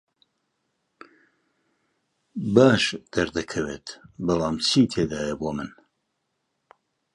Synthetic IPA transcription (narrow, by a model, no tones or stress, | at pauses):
baːʃd̪̥ɐɾd̪ɐkʰɐweːt̪bɑlˠɑːmt͡ʃʰit̪ʰeːd̪aːjɐboːmɨn